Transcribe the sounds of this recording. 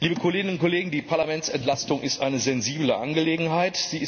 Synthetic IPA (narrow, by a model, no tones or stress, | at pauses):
liːbəkʰoleːɡɪnʊnkʰoleːɡŋ̩diːpʰaɐlamɛnsɛntlastʊŋʔɪstʔa̰ɪnəzɛnziːbləʔa̰nɡəleːɡŋ̩ɦaɪtz̥iːɪ